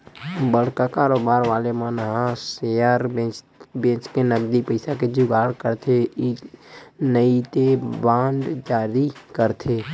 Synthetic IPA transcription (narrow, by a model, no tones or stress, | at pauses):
bəɽ̤kakaːɾoːbaːɾʋaːlemənɦãsejəɾet͡ʃ | bẽt͡ʃkenəɡd̪ipəɪsaked͡ʒʊɡaːɽkəɾt̪ʰei | nəit̪ebãːɳɖd͡ʒaːɾikəɾt̪ʰe